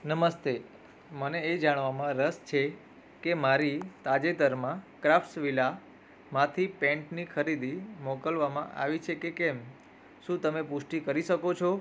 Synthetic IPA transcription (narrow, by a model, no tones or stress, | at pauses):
nəməst̪e | məneːd͡ʒaɽ̃ʋamãɾəst͡ʃʰe | kemaɾit̪ad͡ʒet̪əɾmãkɾafsʋila | mãt̪ʰipɛ̃ɳʈnikʰəɾid̪imɔkəlʋamã̰ʔa̰ʋit͡ʃʰekekɛm | ʃũt̪əmepʊʃʈikəɾiʃəkot͡ʃʰo